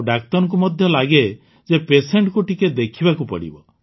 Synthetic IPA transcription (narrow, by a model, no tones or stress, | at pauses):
ɖakt̪ɔɾɔŋk̬umɔd̪ʱjɔlaɡe | d͡ʒepeseɳʈkuʈiked̪ekʰibakupɔ̰ɽḭbɔ